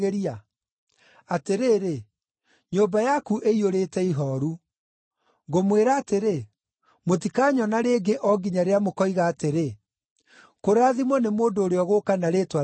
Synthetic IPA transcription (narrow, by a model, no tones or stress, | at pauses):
eɾia | ateɾeːɾe | ɲoːbajakuʔeioɾeːtɛiɦɔːɾu | ŋɡomweɾaːteɾe | motikaːɲɔnaɾeːɡeʔɔɡiɲaɾeamokɔiɣaːteɾe | koɾaːðimwɔnemoːndoːɾeɔɣokanaɾeːtwa